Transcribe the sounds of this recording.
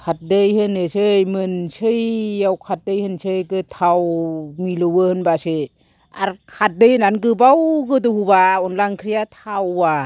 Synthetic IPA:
kʰat̚dɯjhɯnɯsɯjmɯnsɯjːawkʰat̚dɯjhɯnsʰɯjɡɯtʰawmilɯwɯhɯnbasɯ | a̰ɾkʰat̚dɯjnanɡɯbawɡɯdɯhubaɔnlaŋkʰɾijatʰawːa

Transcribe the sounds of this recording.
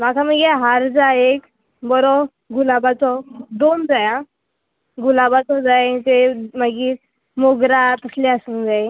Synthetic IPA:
makʰaməɡeɦaɾd͡zaek | bɔɾɔ | ɡulabat͡sɔd̪ond͡zaja | ɡulabat͡sɔd͡zajaĩt̪eməɡi | moɡɾat̪əsleasuːnd͡zae

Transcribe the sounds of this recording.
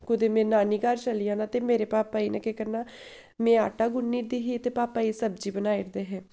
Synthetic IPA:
kʊd̪eːmẽːnaːniːkaɾt͡ʃəlɪjãːnaːt̪eːmeːɾeːpaːpaːiːnɛ̃ːkekəɾnaː | mɛ̃ːaːʈaːɡʊnːiːɾd̪iːɦiːət̪eːpaːpaːiːsəb̚d͡ʒiːbənaːiɾd̪eːɦɛ̃ː

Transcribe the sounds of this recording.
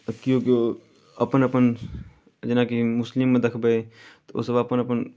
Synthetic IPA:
kjõːkeoː | ɐpənɐpən | d͡ʒɪnakimʊslɪmːẽd̪ɐkʰbeet̪oo̰ːsɐbɐpənɐpən

